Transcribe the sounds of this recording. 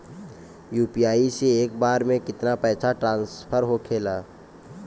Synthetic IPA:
juːpijaːiseeːkbaːɾmẽkɪt̪napɛːsʰaʈɾãːnspʰəɾɦokʰeːlaː

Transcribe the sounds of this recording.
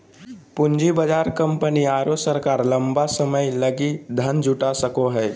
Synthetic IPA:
pʊɲd͡ʒibəd͡ʒaːɾkə̃mpəniaːɾosəɾkaːɾlɐ̃mbasəməjlɐɡid̪ʱənd͡ʒʊʈasəkoɦɛː

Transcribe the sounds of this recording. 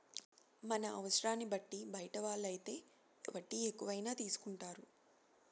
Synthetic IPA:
mɐnɐɐʋɐsɾaːnːibɐʈːibɐjɐʈɐʋaːɭːɐjit̪e̞ː | ʋɐʈːiekːuʋɐjnaːt̪iːsu̥kuɳʈaːɾu

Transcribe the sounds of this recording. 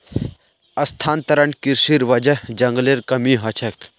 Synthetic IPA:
ɐst̪ʰaːnt̪ɐɾəɳkiɾʃiɾʋɐd͡ʒɐd͡ʒɐŋɡleɾkɐmiɦɐt͡ʃʰɐk

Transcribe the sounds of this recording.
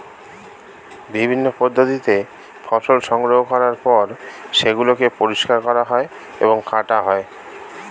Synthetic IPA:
bibʱinːopod̪ːot̪it̪e | fʰɔʃolʃɔŋɡɾoɦokɔɾaɾpɔɾʃeɡulokepoɾiʃkaɾkɔɾaɦɔe | ḛboŋkʰaʈaɦɔe

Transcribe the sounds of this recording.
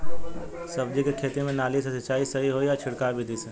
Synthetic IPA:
sɐbd͡ʒikekʰeːt̪imẽnaːlisesɪt͡ʃaːisɐɦiɦoijat͡ʃʰɪɽkaːɾbʱid̪ise

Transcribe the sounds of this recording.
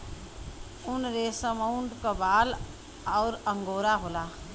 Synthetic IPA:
ʊnɾesəməʊɳʈkabaːl | ɔːɾəŋɡoːɾaɦoːlaː

